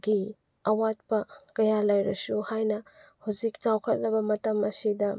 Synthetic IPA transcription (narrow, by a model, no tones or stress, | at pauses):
ɡi | ɐwat̚pɐkɐjalɐjɾɐsuhajnɐhuzik̚t͡ʃawkʰɐt̚lɐbɐmɐtɐmɐsidɐ